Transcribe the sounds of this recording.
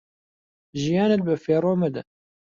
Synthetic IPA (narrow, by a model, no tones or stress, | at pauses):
ʒijɑːnɛt̪̚bɨfeːɾoːmɐd̪ɛ